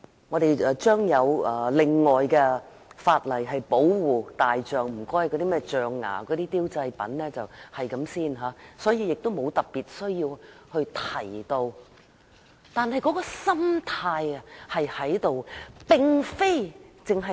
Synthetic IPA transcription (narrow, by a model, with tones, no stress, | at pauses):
ŋɔ˨˧ɾe˨jɛ˧t͡ʃœː˥ŋjɐ˨˧wɛː˨˩lɪ˨ŋːɔː˨jkɛ˧ | faː˧t̚lɐ˨˩jɦɐ˨jpo˨˥wwuː˨˩t̪aː˨jt͡ʃœː˨ŋm̩˨˩kɔː˥jkɔ˨˧t̪i˥mɛː˥t͡ʃœː˨ŋːa̰ː˨˩kɔː˨˧t̪iː˥t̪iː˥wt͡sɐ˧jpɐ̰˨˥nlɛː˥t͡sɐ˨whɐ˨jkɐ˨˥msiː˥˩nɦaː˨˥sɔː˨˥jiː˧jɪ˨k̚t̪o˥wmo˨˧wt̪ɐ˨p̚pːiː˨t̚sɵ˥ɥjiː˧whɵ˧ɥt̪ʰɐ˨˩jt̪o˧w | t̪aː˨nhɐ˨jkɔː˨˥kɔː˧sɐ˥mt̪ʰaː˧jɐ˨hɐ˨jhɐ˨˥jt̪o˨wpɪ˨˧ŋfe˥jt͡sɪ˨ŋɦɐ˨